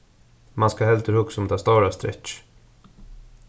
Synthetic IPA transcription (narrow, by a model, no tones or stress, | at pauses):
manskahɛlt̪əɾhʊksɔmt̪ʰɑːst̪awɾast̪ɾɛ̰t͡ʃ